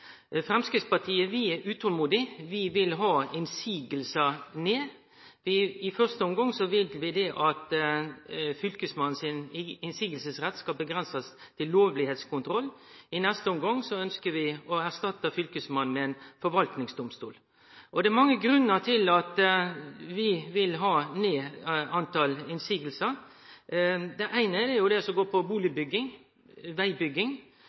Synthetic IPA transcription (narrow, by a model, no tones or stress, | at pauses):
fɾɛmskɾɪt̪spɑʈʰiːəʋɪæɾʔʉːt̪ʰɔlmuːd̪ɪʋɪʋɪlɦɑːɪnsiːɡəlsəneː | ʋɪɪfœʁst̪əɔmɡɑŋsɔʋɪlʋɪd̪ɛʔɑt̪ | fʏlkəsmɑn̩sɪnɪnsiːɡəlsəsʁɛt̪skɑlbəɡɾɛnsəst̪ʰɪlːoːʋlɪheːt̪skʊnt̪ʰɾɔlːɪnɛst̪əɔmɡɑŋsɔœnskəʋɪɔæɾʂt̪ɑt̪ːəfʏlkəsmɑn̩mɛɛnfɔɾʋɑlt̪nɪŋsd̪ʊmst̪ṵːl | ʔɔd̪ɛɾmɑŋːəɡɾʉnːət̪ʰɪlɑt̪ | ʋɪʋɪlɦɑːneːɑnt̪ʰɑlɪnsiːɡəl̩səɾ | d̪ɛʔæɪnəd̪ɛjʊd̪ɛsɔmɡoːpʰɔbuːlɪbʏɡɪŋ | ʋæɪbʏɡɪŋ